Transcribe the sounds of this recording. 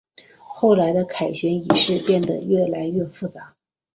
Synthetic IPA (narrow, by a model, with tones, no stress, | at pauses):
xo˥˩ʊla˧˥ɪd̪ə˧kʰa˨˩ɪɕɥɛ˧˥ni˨˩ʂɻ̩˥˧pjɛ˥˩nd̪ə̰˩ɥɛ˥˩la˧˥ɪɥɛ˥˧fu˥˩t͡sa˧˥